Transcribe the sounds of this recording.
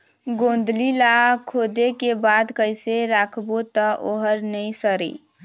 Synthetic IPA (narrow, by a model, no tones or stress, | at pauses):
ɡõːnd̪ʱlilakʰoːd̪ekebaːd̪kəɪseɾakʰbot̪əʔoɦəɾnəĩsəɾḭ